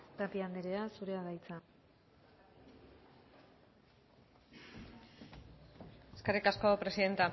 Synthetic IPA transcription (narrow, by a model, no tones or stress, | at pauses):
t̪apiand̪eɾe̞asuɾe̞aðajt͡sa | eskerikasko̞pɾe̞siðe̞nt̪a